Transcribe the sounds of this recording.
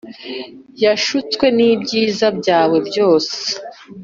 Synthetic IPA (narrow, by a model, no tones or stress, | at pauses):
jaʃut͡skwe̞niːbɟiːzabɟaːwe̞bjo̞ːse̥